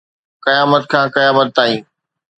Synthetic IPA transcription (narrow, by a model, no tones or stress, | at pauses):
kɐjaːmət̪̚kʰãːkɐjaːmət̪̚ːaːĩː